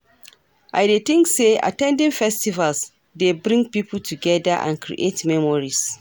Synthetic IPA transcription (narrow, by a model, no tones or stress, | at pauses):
ʔajdet̪ɪŋkseʔa̰tɛ̃ndɪnfɛstivals | debɾɪ̃ŋɡpiːpʊltuɡɛdaʔã̰nkɾḭʔetmɛmɔɾis